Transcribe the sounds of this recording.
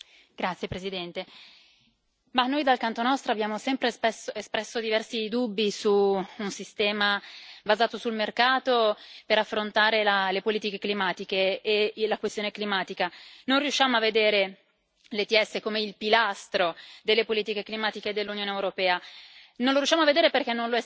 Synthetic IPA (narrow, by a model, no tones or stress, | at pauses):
ɡ̥ɾat̪sːjepɾezid̪ɛnt̪e | manːoːjd̪alkant̪onɔst̪ɾoabjaːmosɛmpɾespɛsoespɾɛsːod̪ivɛrsid̪ubːisuːnsist̪ɛːmabazaːt̪osulmerkaːt̪opeɾafːɾont̪aːɾelalepoliːt̪ikeklimaːt̪ikeːlakwest̪joːneklimaːt̪ikanonrjuʃːaːmoavːed̪eːɾe | let̪iɛsːekomeilpilast̪ɾod̪elːepoliːt̪ikeklimaːt̪iked̪elːunjoːneewɾopɛːanõnloɾjuʃːamoavːed̪eːɾeperkɛnːõnloɛ